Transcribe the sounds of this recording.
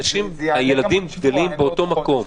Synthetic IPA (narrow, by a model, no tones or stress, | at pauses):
ʃimhaje̞lad̪imɡd̪alimbeo̞to̞mako̞m